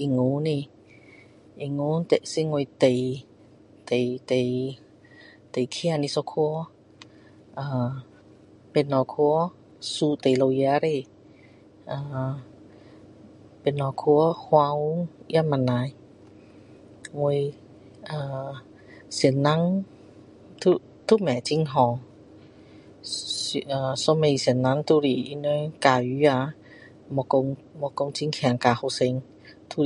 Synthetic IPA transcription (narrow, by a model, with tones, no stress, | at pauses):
ʔi˧˨ŋu˨˦ni˧˨ | ʔi˧˨ŋu˧˦nt̪ɛ˨˧˨ʔsi˦ŋo˧˨jt̪e˨j | t̪e˨jt̪e˨j | t̪e˨jkʰi˧˦a˧ni˧sɔ˧kʰu˧˦ | ʔaː˧ | pe˨nːɔ˧kʰu˧˦ | su˧t̪e˨jlo˧wjɛ˧˦ɾe˧˨ | ʔaː˧˩ | pe˨nːɔ˧kʰu˧˦hwa˧˦wu˦ja˧˥ma˧˨nːa˧j | wu˧j | aː˧˩ | si˨˩˦nːa˧˥ŋ | t̪ʰu˧ | t̪ʰu˦˨mɛ˨t͡ɕi˧ŋɦɔ˧ŋ˧ | ʔaː˨˧so˧˦me˧si˨˩ənːa˧˥ŋt̪ʰu˧ɾi˨i˧˦nɔ˧˦jkaː˧ju˧˦ja˧ | mɔ˧ko˧ŋmɔ˧ko˧ŋt͡ɕi˧ŋkʰɛ˧˩˦ŋka˧˨xo˧se˧ŋ | t̪ʰu˧